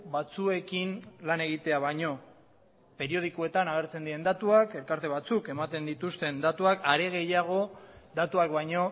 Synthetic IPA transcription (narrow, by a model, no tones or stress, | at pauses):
bat͡sue̞kinlane̞ɣ̞it̪e̞aβajɲo̞ | pe̞ɾio̞ð̞ikue̞t̪anaɣ̞e̞ɾt͡send̪iɾe̞nd̪at̪uake̞lkaɾt̪e̞β̞at͡suke̞mat̪e̞nd̪it̪ust̪e̞nd̪at̪uakaɾe̞ɣ̞e̞jaɣ̞o̞d̪at̪uakbajɲo̞